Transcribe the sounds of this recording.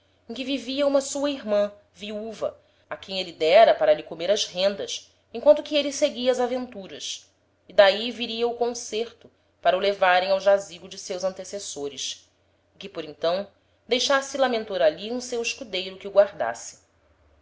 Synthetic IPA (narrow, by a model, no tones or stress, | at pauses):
ẽkɪviviɐũmɐsuɐiɦmɐ̃ | viuvɐ | akẽj̃elɪd̪ɛɾɐpaɾɐlɪkomeɾɐzhẽnd̪ɐs | ẽkwɐ̃nt̪ʊkɪelɪseɡiɐazavẽnt̪uɾɐs | id̪aiviɾiɐʊkõseɾt̪ʊ | paɾɐulevaɾẽj̃awʒaziɡʊd͡ʒɪsewzɐ̃nt̪esesoɾɪʃ | ɪkɪpoɾĩt̪ɐ̃w̃ | d̪ejʃasɪlamẽnt̪oɾaliũsewɪʃkud̪ejɾʊkɪʊɡwaɾd̪a̰sɪ̥